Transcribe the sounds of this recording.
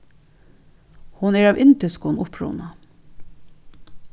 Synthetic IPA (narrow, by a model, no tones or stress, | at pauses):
hʊnɛɹaːʋʔɪnt̪ɪskʊnʊpɹɔ̰ːwna